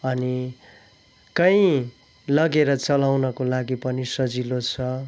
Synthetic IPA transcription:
ʌni | kʌj̃ | lʌɡeɾʌt͡sʌlawnʌkolaɡipʌnisʌd͡zilot͡sʰʌ

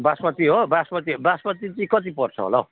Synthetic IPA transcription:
basmʌt̪iɦobasmʌt̪iɦobaspʌt̪it͡sĩkʌt̪̬ipʌrt͡sʰʌ̰ɦo̰la

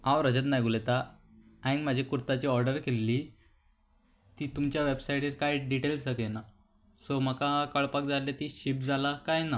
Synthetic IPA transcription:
ãwɾəd͡ʑət̪najɡulet̪a | ainmad͡ʑʱekuɾt̪at͡ɕiːɔɾɖəɾkelːi | t̪iːt̪umt͡ɕjaʋebsajʈiɾkajɖiʈelsəkena | som̤əkakəɭpak̚d͡zaljet̪iːɕipd͡zʱalakajna

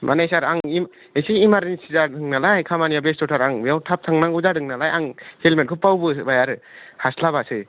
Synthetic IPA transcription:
mʔanajsaɾaŋim | esiːmaɾinsizadɯŋnalajkʰamanijabestɔtʰaɾaŋbjawtʰap̚tʰaŋnaŋuzadɯŋnalajaŋhelmet̚kʰɯpawbɯbajaɾhaslaβasɯj

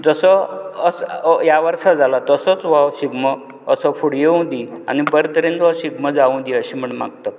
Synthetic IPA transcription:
d͡zəsəəsjaʋəɾʂad͡zʱalat̪əsət͡sʋawɕiɡməː | səfuɽjeũd̪ia̰nibəɾt̪əɾẽnt̪ʋaɕiɡməd͡zaʋũd̪iəɕim̤əɳma̰ɡt̪a

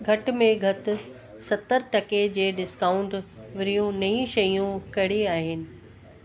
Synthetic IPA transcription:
ɡʱɐʈmẽɡʱɐt̪ʊ̆ | sɐt̪əɾʈɐked͡ʑeːɖɪskaːʊ̃ɳʈʋɪɾijũnɐĩʃɐjũkɐɪɽiaːɦɪnɪ̆

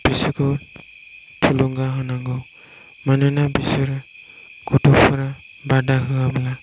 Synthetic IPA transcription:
b̥isɯkʰɯw | tʰuluŋɡaɦɔnaŋɡɔw | mananabisɯɾ | ɡ̥ɔtʰɔpʰaɾa | badaɦɯamla

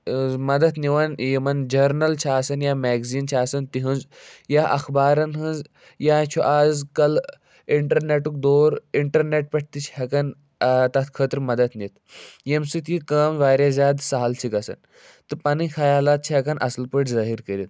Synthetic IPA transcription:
mɐd̪ɐt̪niʋɐnjimɐnd͡ʒɐɾnɐlt͡ʃʰiaːsɐnjaːmeːɡziːnt͡ʃʰaːsɐnt̪iɦunz | jaʔɐxbaːɾɐnɦɨnz | jaːt͡ʃʰuʔaːzkɐl | iɳʈɐɾneʈuk̚d̪oːɾiɳʈɐɾneʈ̚pʲɐʈ̚ʰʲt̪it͡ʃʰhɐkɐn | t̪ɐt̪ʰkʰəːt̪ɾmɐd̪ɐt̪ʰnit̪ | jemsɨt̪jikɐːmʋaːɾʲazʲjaːd̪saɦɐlt͡ʃʰikɐsɐ̰n | t̪ɨpanixʰɐjaːlaːt̪̚t͡ʃʰiɦɐkɐnʔɐ̰slpəʈzaːɦiɾkəɾit̪

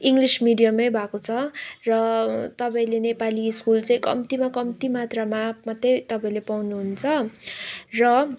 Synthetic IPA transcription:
iŋɡlismiɖijamʌjbʱakot͡sʰʌrʌt̪ʌpaĩlenepaliːskult͡sãĩkʌ̰mt̪imakʌmt̪imat̪ramamʌt̪ːejt̪ʌpaĩlepawnuɦunt͡sʰʌ | rʌ

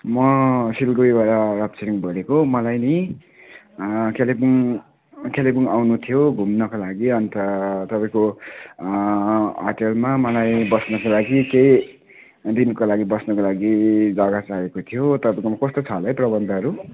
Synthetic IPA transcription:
mʌsilɡojbaɾarʌb̚t͡seɾiŋbʱʌlekomʌlajni | kelibuŋ | kelibuŋawnut̪ʰijoɡʱumnʌkolaɡiʌnt̪ʌt̪ʌpaĩko | ʌʈelmamʌlajbʌsnʌkolaɡikej | d̪inkolaɡibʌsnʌkolaɡid͡zʌɡat͡saekot̪ʰijot̪ʌpaĩkomʌkʌst̪ot͡sʰʌlʌjprʌbʌnd̪ʌʌɾu

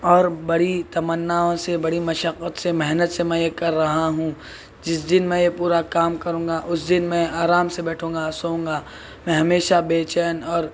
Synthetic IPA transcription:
ɔːɾbɐɽit̪ɐmənːaːõsebɐɽimɐʃəqːət̪semɛɦnət̪semɛ̃jekɐɾːɐɦaɦũ | d͡ʒɪsd̪ɪnmɛ̃jepuːɾakaːmkɐɾũːŋɡaʔʊsd̪ɪnmɛ̃aːɾaːmsebɛːʈʰũːŋɡasoũːŋɡa | mɛ̃ɦɐmeːʃabeːt͡ʃɛːnɔːɾ

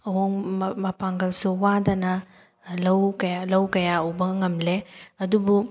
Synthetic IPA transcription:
ɐwoŋmɐpaŋɡɐlsuwadɐnɐ | lɐwkɐjalɐwkɐjaubɐŋɐmleɐdubu

